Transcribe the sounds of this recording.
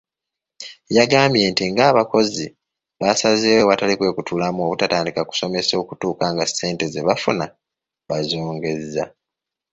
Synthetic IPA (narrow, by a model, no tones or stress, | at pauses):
jaɡaːmbje̞ntiŋɡaːβako̞zi | βasazewewatalikwe̞ːkutulamuo̞βutataːndikaku̥so̞me̞so̞ːkutuːkaŋɡase̞ːnte̞ze̞βafuna | βazo̞ːŋɡe̞zːa